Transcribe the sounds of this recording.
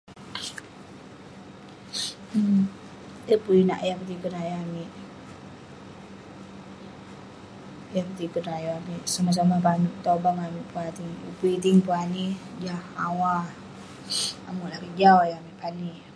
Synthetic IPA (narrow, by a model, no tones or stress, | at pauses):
əpuina̰ʔjapət̪ikənajaamiʔ | japət̪ikənajoamiʔsamas̬amapanuʔt̪obaŋamiʔpuat̪iŋə̰puit̪iŋpuani | d͡ʒahawa | a̰mulakid͡ʒawajamiʔpani